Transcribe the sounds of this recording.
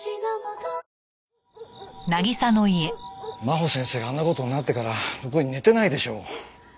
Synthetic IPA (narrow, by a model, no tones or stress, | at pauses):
naɡʲisano̞ie̞maɦo̞sẽ̞ɰ̃se̞ːɡaːnːako̞t̪oɲinat̪ːe̞kaɾaɾokɯɲ̟ine̞t̪e̞naid̪e̞ɕo̞ː